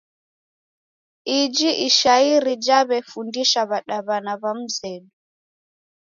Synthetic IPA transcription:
id͡ʒiʔiʃaiɾid͡ʒaβɛfundiʃaβaɗaβanaβam̩zɛɗu

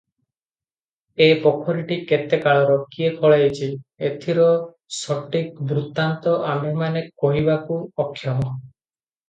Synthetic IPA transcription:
epɔkʰɔɾiʈiket̪ekaɭɔɾɔkiekʰɔɭaet͡ʃʰiet̪ʰiɾɔ | sɔʈikbɾut̪ant̪ɔʔamʱemanekɔɦibakuɔkʰːjɔmɔ

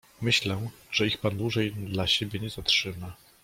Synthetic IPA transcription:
mɘɕlɛ | ʐ̥ɛixpand̪wuʐɛjd̪laɕebʲjɛɲɛzatʂɘma

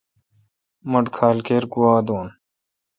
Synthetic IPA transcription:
mɐɖkʰaːlkeːɾkuwaːd̪oːn

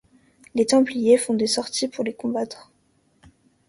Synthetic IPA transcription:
let̪ɑ̃plijefɔ̃d̪esɔʁt̪ipuʁlekɔ̃bat̪χ

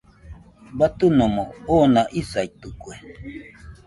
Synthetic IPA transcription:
bat̪unomoonaʔisait̪ukwe

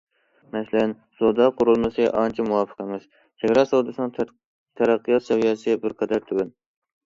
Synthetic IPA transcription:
mɛslɪn | sod̪ɑqʰʊɾulˠmɨsɨʔɑnt͡ʃʰɛmuwɑfə̥qʰəmɪz̥ | t͡ʃʰeɡʲɾɑsowd̪ɨsɨnɨŋ | t̪ʰæɾæqʰːijɑt̪ʃɛwijɛsɪbɪɾqʰɑd̪æɾt̪ʰywɪn

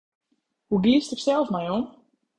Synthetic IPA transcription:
huɡlistɪksɛlˠfmɛjon

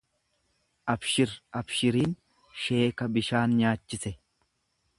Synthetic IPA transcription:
ʔɐbʃɪɾɐbʃɪɾiːn | ʃe̞ːkɐbɪʃaːnɲaːt͡ʃːɪsɛ

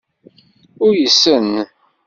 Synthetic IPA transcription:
ʊɾjəsːən

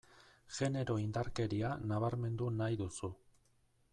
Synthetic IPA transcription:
ʝe̞ne̞ɾo̞ind̪aɾke̞ɾianaβ̞aɾme̞nd̪unajðusu

